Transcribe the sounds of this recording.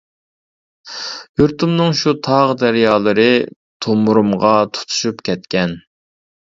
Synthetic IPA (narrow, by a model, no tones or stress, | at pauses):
juɾt̪ʰumnɨŋʃut̪ʰɑʁd̪æɾjɑːlˠɨɾɨ | t̪ʰomuɾumʁɑt̪ʰu̥t̪ʰu̥ʃupkʲʰɛt̪̚kʲɛn